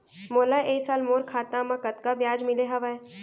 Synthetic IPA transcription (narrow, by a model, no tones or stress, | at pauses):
moːlaʔeːsaːlmoːɾkʰaːt̪ãːmãkɐt̪kabjaːd͡ʒmɪleɦɐʋae